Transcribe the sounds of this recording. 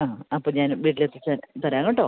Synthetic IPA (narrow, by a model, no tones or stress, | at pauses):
aːɐpːoːɲaːnʋiːʈ̬ːilet̪ːet͡ɕat̪ɐɾaːŋːoʈːo̰ː